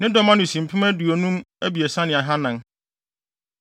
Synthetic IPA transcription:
nɪ̃˦dɔ˨mã˦nʊ̃˨sĩ˨m̩˨pʰɪ˦mæ˦du˨o˨nũ˦mæ˦bi˨e˨sã˦nɪ̃˨a˨ɦã˦nã˨n

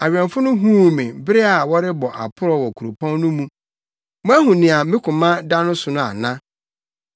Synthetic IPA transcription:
a˨ɥᶣɛ̃˨nfʊ˦nʊ̃˦ɦũ˦˨mɪ̃˨bɪ˦ɾɪ˦a˨wɔ˦ɾɪ˦bɔ˨ʔa̰˨pʰʊ˦ɾɔ˦wɔ˨kʰu˨ɾo˨pʰã˦nnʊ̃˦mũ˦ | m˦æ˦ɦũ˨nɪ̃˨a˨mɪ̃˦kʰʊ̃˨mã˦da˦nʊ̃˦sʊ˨nʊ̃˦a̰˨nã˦

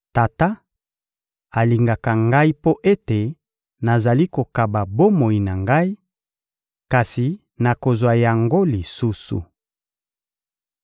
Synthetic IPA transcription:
ta˨ta˦ | a˨li˨ŋɡa˨ka˨ŋɡa˦i˦po˦ʔe˦te˨ | na˨za˨li˦ko˨ka˨ba˨bo˦mo˨ji˨na˨ŋɡa˦i˦ | ka˨si˨ | na˨ko˨zwa˨ja˨ŋɡo˦li˨su˦sṵ˨

